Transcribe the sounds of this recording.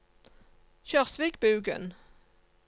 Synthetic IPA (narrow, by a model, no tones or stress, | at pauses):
çœʁsʋɪɡ̚bʉːɡə̰n